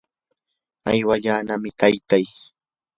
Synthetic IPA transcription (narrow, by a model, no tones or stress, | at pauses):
a̰jwaʎaːnamɪt̪ʰajt̪aj